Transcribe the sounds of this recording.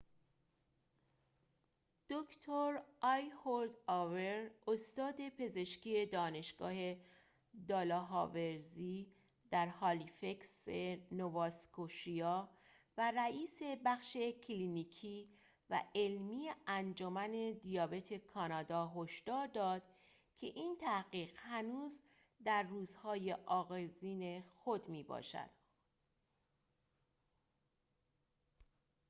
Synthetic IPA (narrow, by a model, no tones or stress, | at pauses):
d̪̥okʰt̪ʰoɾʔɒjhoɾd̪ɒːve̞ɾost̪ɒːd̪e̞pʰe̞ze̞ʃciːe̞d̪ɒːne̞ʃɡ̥ɒ̰ːhe̞ | d̪ɒːlɒːɦɒːveɾziː | d̪æɾhɒːlife̞ksenovɒːskoʃijɒː | væɾæiːse̞bæχʃe̞cʰliːniːkʰiː | væ̰elmiːjeænd͡ʒomæne̞d̪ijɒːbe̞t̪ʰekʰɒːnɒːd̪ɒːɦoʃd̪̥ɒːɾd̪ɒːd̪̥ | cʰe̞ʔiːnt̪ʰæhɢiːɣhænuːz | d̪æɾːuːzhɒːje̞ʔɒːɣeziːne̞xod̪miːbɒ̰ːʃæ̰d̪̥